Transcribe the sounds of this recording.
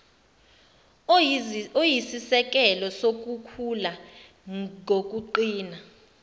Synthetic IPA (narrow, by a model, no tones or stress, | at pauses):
ojisisɛk̬ɛlɔsok̬ukʰula | ŋok̬ʼuǃiːna